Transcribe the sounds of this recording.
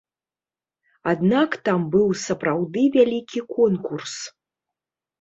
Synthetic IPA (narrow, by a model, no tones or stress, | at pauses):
ad̪nakt̪ambɨwsɐpɾawd̪ɨvʲalʲikʲikʰɔnkurs